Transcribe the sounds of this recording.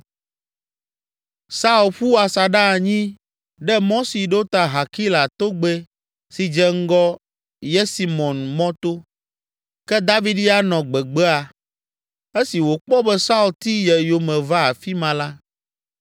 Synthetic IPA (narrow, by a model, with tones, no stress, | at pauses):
sa˦u˨lɸu˦a˨sa˨ɖa˦˨ɲĩ˦ | ɖɛ˦mɔ̃˦si˨ɖo˦t̪a˨ɦa˨ki˦la˨t̪o˦ɡ͡be˦ | si˨d͡ʒɛ˨ŋ̩˦ɡɔ˦ | jɛ˦si˨mɔ̃˨nmɔ̃˦t̪o˦ | kɛ˦d̪a˦vi˦ɖi˦a˦nɔ̃˨ɡ͡bɛ˨ɡ͡bɛ˦a˨ | e˦si˨wo˨k͡pɔ˦bɛ˦sa˦u˨lt̪i˦jɛ˨jo˨mɛ̃˨va˦a˨fi˦mã˨la˦